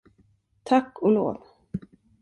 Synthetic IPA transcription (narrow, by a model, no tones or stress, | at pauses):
t̪ʰakːɔlo̰ːv